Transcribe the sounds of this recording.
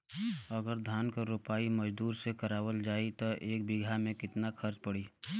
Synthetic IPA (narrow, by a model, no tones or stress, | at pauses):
əɡəɾd̪ʱaːnkaɾupaːiməd͡ʒd̪uːɾsekəɾaːwəld͡ʒaːit̪ɔʔeːk̚bɪɡʱamẽkɪt̪nakʰəɾt͡ʃpəɽiː